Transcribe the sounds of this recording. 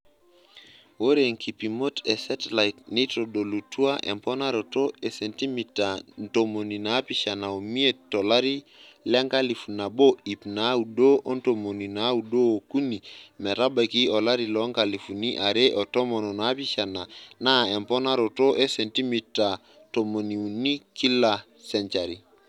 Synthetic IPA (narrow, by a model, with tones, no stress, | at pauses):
wo˦ɾe˨ŋkʰi˨pi˨mo˦tɛ˨sɛ˦tla˨i˨tni˦to˨do˨lu˨tu˦a˦ʔɛ̰˨mpɔ˦na˦ɾo˨to˦e˨se˨nti˦mi˨ta˨nto˨mo˨ni˨na˨˦pi˦ʃa˨na˨o˨mi˦e˦tːɔ˨la˦ɾi˦ | lɛ˦ŋka˦li˨fu˨na˨bo˦i˨pna˨˦u˨do˦ʔo˦nto˨mo˨ni˨na˨˦u˨do˦o˨ku˦ni˨mɛ˨ɾa˦ba˨ki˦o˨la˦ɾi˨lo˦ŋka˨li˨fu˨ni˦ʔa˨ɾe˦ʔo˨to˦mo˨no˨na˦pi˦ʃa˨na˨na˦˨e˨mpɔ˦na˦ɾo˨to˦ʔe˦se˨nti˦mi˨tːa˨ | to˨mo˨ni˨u˨ni˦ki˦la˨ | sɛ˨nt͡ʃa˨ɾi˨